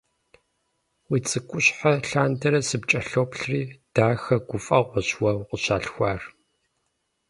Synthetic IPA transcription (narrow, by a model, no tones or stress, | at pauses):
wiːt͡sʼɨkʷʼʊɕħaɬaːndɐɾɐsɨp̚t͡ʃʼɐɬowpʰɬriːd̥aːxɐɡʷʊfʼɐʁʷɔɕwɐwqʷəɕaːɬxʷɑːr